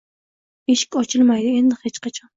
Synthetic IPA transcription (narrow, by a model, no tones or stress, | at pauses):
eʃɪ̥kʲɒt͡ʃʰɪlmajd̪ɪend̪ɪhet͡ʃqʰɑt͡ʃʰɒn